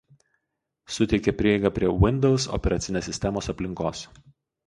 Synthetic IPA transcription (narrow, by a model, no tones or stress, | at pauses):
sʊt̪ʲɛɪkʲepʲɾʲiɛɪɡɑpʲɾʲiɛʋʲɪnʲd̪ʲɛlˠsɔ̰pʲɛɾɐt̪sʲɪnʲeːsʲɪsʲt̪ʲɛmoːsɐpʲlʲɪŋkoːs